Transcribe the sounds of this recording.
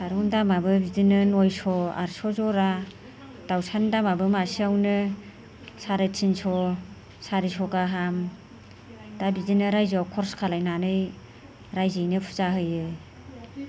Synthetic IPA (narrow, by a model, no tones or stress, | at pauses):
saɾundamabɯbidinɯnɔjsɔa̰ɾsɔzɔɾa | d̥awsʰandamabɯmasiawnɯ | saɾɯtsʰinsɔ | saɾisɔɡaɦam | dabidinɯɾajziawkʰɔɾskʰalajnanɯj | ɾajzɯjnɯpʰu̥zaɦɯjɯ